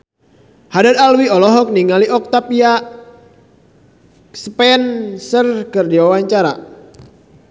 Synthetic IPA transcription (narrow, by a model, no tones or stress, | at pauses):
hadat̪alwiɔlɔɦɔk̚niŋaliʔɔk̚t̪apia | səpɛnsərkɨrdiwawaɲt͡ʃaɾa̰